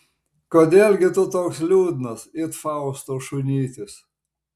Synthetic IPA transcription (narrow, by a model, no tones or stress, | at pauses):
koːd̪ʲeːlʲɡʲɪt̪ʊt̪oːkslʲuːd̪nɐsɪt̪fɑˑʊst̪oːʃʊnʲiːt̪ʲɪs